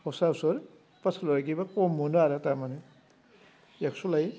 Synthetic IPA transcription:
hɔsasɔɾ | pasalɔɾaɡibakɔmːɔnaɾatamane | aksulaj

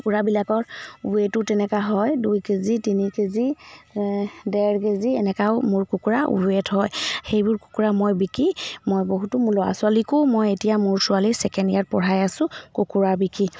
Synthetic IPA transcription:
kuɹabilakɔɹuetʊtɛnɛkaɦɔjdujkezitinikezi | dɛɹkeziɛnɛkaʊmʊɹkukuɹaṵethɔjxejbʊɹku̥kuɹamojbikimojboɦutʊmulɔa̰sʊalikʊmojetijamʊɹsʊalisɛkɛndijat̚pɔɹajasʊ̃kokuɹabiki

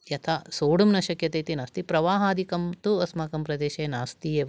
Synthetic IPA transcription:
jɐt̪ʰasoːɽumnɐʃɐkjɐt̪eːt̪inaːst̪ipɾɐʋaːɦaːd̪ʱikɐmt̪uɐsmaːkɐmpɾɐd̪eːʃeːnaːst̪ieː

